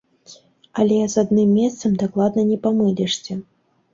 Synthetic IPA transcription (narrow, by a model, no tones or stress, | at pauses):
ɐlʲɛzad̪nɨmːʲɛst̪sɐmd̪aklˠad̪nɐnʲɛpamɨlʲɛʂt͡sʲɛ